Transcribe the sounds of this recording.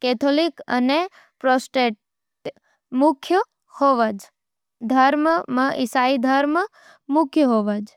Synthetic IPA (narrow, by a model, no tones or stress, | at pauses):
kɛt̪ʰolikə̰ne | pɾosʈeʈ | ʈ | mʊkʰjə | hoʋad͡ʒ | d̪ʱəɾməmãʔisaid̪ʱəɾmə | mʊkʰjəɦoʋad͡ʒ